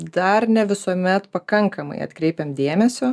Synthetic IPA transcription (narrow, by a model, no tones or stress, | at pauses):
d̪ɐɾnʲɛʋʲɪsuɔmʲɛt̪pɐkɐŋkɐmɐ̰ɪɐ̰t̪kɾʲɛɪpʲɛmd̪ʲeːmʲɛsʲoː